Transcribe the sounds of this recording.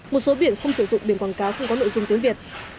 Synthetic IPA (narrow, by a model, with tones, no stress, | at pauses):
mo˨˩t̚so˨˦ɓḭ˧˨ənxə˧wŋ͡msɨ̰˧˩zʊ̰˧˨ŋ͡mɓi˨˩əkwaː˧˩nkaː˨˦wxə˧wŋ͡mkɔ˨˦no̰˧˨jzʊ˧ŋ͡mt̪i˨˦ŋvi˨˩ət̚